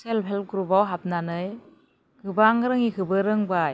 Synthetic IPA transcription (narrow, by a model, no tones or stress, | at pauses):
selpʰelp̚ɡɾubawɦap̚nanɯj | ɡɯbaŋɾɯŋikɯbɯɾɯŋba